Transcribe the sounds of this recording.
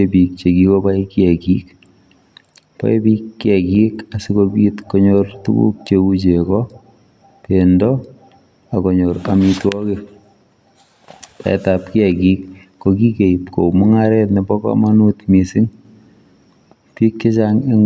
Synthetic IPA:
epik̚t͡ʃekikɔpaikiɛkik | pa̰ipiːkːjɛkikasikokitkɔɲortṵkṵk̚t͡ʃeut͡ʃekɔ | pendɔ | akɔɲoɾamitwɔke | ta̰ɛ̰tap̚kiɛkikː | okikeipko̰mʊŋaɾɛtnɛbɔkɔ̰manutmisɪŋ | pikːet͡ʃaŋeŋ

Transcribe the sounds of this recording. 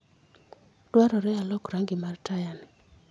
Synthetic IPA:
d̥waɾɔɾɛalɔkɾaŋɡɪmartajanɪ

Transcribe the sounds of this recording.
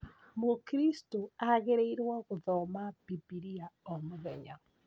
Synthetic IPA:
mokɾistoaɣeɾeiɾwaɣoðɔmab̥ibiɾiaɔmoðɛɲa

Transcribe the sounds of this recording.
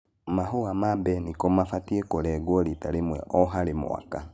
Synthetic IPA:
maɦoamabɛnikɔmafatiekoɾɛɡɔɾitaɾemwɛʔɔɦaɾemw̰a̰ka

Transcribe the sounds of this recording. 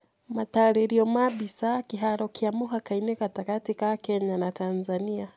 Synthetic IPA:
mataɾiɾiɔmabisakiɦaɾɔkiamuɦakainɛkatakatikakɛɲanatanzania

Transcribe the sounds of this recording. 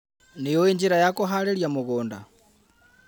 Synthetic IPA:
nejoeɲd͡ʒeɾajakoɦaɾeɾjamoɣoːnda

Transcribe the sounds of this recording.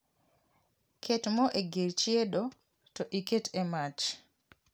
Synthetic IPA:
kʰetmɔʔeɡeɾt͡ʃieɗo | tɔʔiketemat͡ʃ

